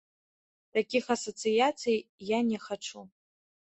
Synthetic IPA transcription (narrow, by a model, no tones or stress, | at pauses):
takʲixasot͡sʰɨjat͡sʰɨjjanʲeχaʈ͡ʂʰu